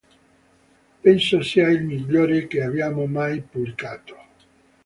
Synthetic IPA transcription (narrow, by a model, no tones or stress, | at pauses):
pɛnsosiailmiʎːoːɾekeavjaːmomajpublikaːt̪o̥